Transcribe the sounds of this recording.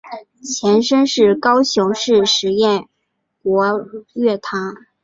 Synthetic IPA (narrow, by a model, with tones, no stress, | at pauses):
t͡ɕʰjɛ˧˥nʂə˥nʂɻ̩˥˩kɑ˥ʊɕjʊ˧˥ŋʂɻ̩˥˩ʂɻ̩˧˥jɛ˥˩n | kwɔ˧˥ɥɛ˥˩t̪ʰa˧˥ŋ